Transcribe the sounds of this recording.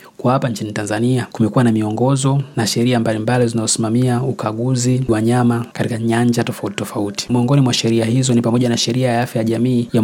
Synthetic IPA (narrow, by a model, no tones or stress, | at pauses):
kwahapaɲt͡ʃinitanzaniakumɛkuwanamiɔŋɡɔzɔnaʃɛɾiambalimbalizinazɔsimamiaukaɠuziwaɲamakatikaɲaɲd͡ʒatɔfauti̥tɔfauti̥muɔŋɡɔnimwaʃɛɾiahizɔnipamɔʄanaʃɛɾiajaafjajaʄamiːja